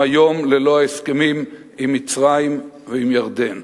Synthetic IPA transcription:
ajo̞mlelo̞aeskemim | imːit͡sʁaim | veimjaʁd̪e̞n

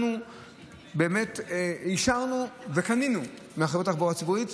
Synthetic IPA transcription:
nu | be̞ːmetiʃaʁnuvekaninu | meaχevotaχboat͡sibuit

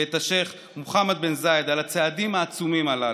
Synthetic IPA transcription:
et̪aʃe̞χ | moχamad̪̚benzaed̪alat͡sead̪imaːt͡sumimala

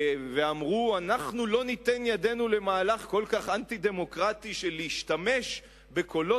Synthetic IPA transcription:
veamʁuanaχnulo̞nit̪enjad̪e̞nule̞maːlaχko̞lkaχant̪id̪e̞mo̞kʁat̪iʃeleiʃt̪ame̞ʃ | be̞ko̞lo

